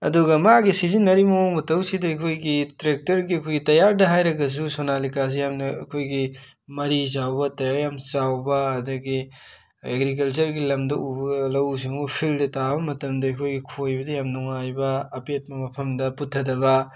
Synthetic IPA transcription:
ɐ̰duɡɐmaɡisizinːɐɾimɐoŋmɐtɐwsidɐɐkʰojɡitɾek̚tɐɾɡiɐkʰojɡitɐjaɾdɐɦajɾɐɡɐs̬usonalikas̬ijamnɐɐ̰kʰojɡi | mɐɾizawbɐtɐjaɾjamsawbɐːdɐɡi | ḛɡɾik̬ɐlt͡ʃɐɾɡilɐmdɐʔubɐɐlɐws̬iŋupʰildɐtabɐmɐtɐmdɐɐkʰojɡikʰojbɐdɐjamnuŋajbɐːpet̚mɐmɐpʰɐmdɐputʰːɐdɐbɐ

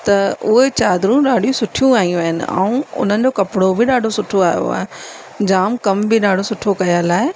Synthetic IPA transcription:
t̪ɐʊɦet͡ɕaːd̪ɾũɗaːɖʱijũsʊʈʰijũaːɦijũaːɦɪnɪ̰̆a̰ũʊ̰n̤ənɪ̆d͡ʑoːkɐpɽobɪɗaːɖʱosʊʈʰoaːjo̰a̰ːɦe | d͡ʑaːmkɐmbɪɗaːɖʱosʊʈʰokɐjalaːɪ

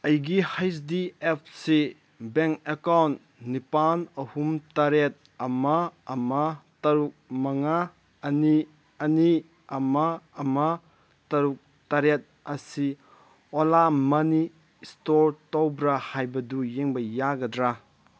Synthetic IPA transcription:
ɐjɡihajsdiep̚ʰsi | bɛŋkekawnt | nipanɐhumtɐɾet̪̚ | ɐmɐːmɐtɐɾuk̚mɐŋa | ɐni | ɐni | ɐmaːmɐ | tɐɾuk̚ | tɐɾet̪̚ɐsi | ɔlamɐni | stoɾtɔwbɾɐhajbɐdujeŋbɐjaɡɐdɾa

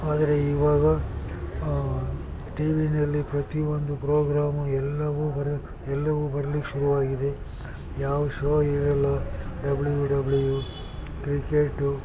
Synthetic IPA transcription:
aːd̪ɐɾe̞iːʋaːɡɐ | ʈiːʋinɐlːipɾɐt̪iond̪upɾoːɡɾaːmuɛlːɐʋubɐɾɐ | ɛlːɐʋubɐɾɐlikʃuɾuʋaːɡid̪e̞ | jaːʋɐʃoːiɾɐlːɐɖɐblujuɖɐbluju | kɾikeʈːu

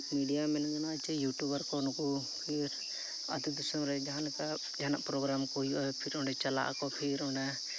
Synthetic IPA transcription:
miɖijamɛnd͡ʒɔnat͡ʃɛjuʈubaɾkɔnɔku | pʰiɾ | a̰t̪id̪ɔsɔmɾɛd͡ʒaɦanɛka | d͡ʒanaʔpɾɔɡɾamkɔɦujuʔaɛpʰiɾɔɳɖɛt͡ʃala̰ʔa̰kɔpʰiɾɔɳɖa

